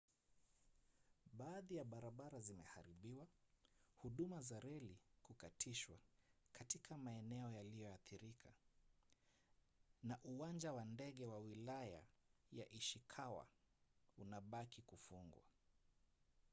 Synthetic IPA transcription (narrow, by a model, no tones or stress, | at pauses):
ɓaːðijaɓaɾaɓaɾazimɛha̰ɾiɓiwahuɗumazaɾɛlikukatʰiʃwakatikʰamaɛnɛɔjalijɔaθiɾikʰa | naʔuwand͡ʒawandɛɠɛwawilaja̰ja̰ʔiʃikʰawa̰ | unaɓakikufuŋɡwa̰